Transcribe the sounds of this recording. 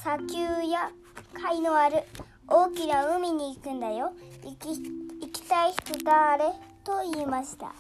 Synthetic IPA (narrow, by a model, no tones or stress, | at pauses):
sakʲɨːja | kʰainoaɾɯ̟ | oːkʲinaɯ̟mʲiɲ̟iːkɯ̟̃nd̪ajo̞ | ikʲi̥t̪aiç̥t̪od̪aɾet̪o̞iːmaɕi̥t̪a̰